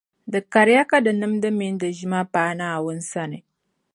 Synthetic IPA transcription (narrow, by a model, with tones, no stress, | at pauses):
də˨ka˨ɾja˦ka˦da˨nə˦mdə˦mi˦n˦də˨ʒi˦ma˦paː˨˦na˦a˨wə˦nsa˦ne˨